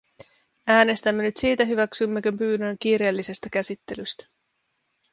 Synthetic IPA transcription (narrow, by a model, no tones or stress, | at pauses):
æːne̞st̪æmːenyt̪siːt̪æɦyʋæksymːekømpyːnøŋk̟iːɾe̞ːlːise̞st̪æk̟æsit̪ːe̞lyst̪æ̥